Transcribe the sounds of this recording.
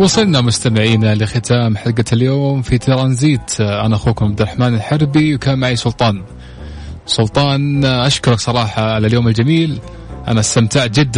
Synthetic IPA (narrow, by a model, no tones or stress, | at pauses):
wɑsˤɨlnamʊst̪amɪʕiːnalɪxɪt̪ʰaːmħaɡaljoːmfit̪ʰɑɾˤɑːnziːt̪ʔa̰naʔaxuːkʊmʕab̚d̪ɾˤɑħmaːnɪlħɪɾˤbiwkaːnmaʕisˤʊlt̪ˤɑːn | sˤʊlt̪ˤɑːnʔaʃkʊɾˤɑksˤɑɾˤɑːħɑʕalaljoːmɪld͡ʒamiːl | ʔa̰naʔast̪amt̪aʕd͡ʒɪd̪ː